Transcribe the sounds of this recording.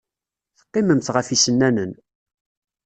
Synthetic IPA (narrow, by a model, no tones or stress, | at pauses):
θə̥qːɪməmt̪ʁəfisənːænən